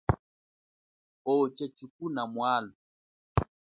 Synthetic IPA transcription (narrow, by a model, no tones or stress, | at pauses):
ɔt͡ʃɛt͡ʃuk̚unamwalu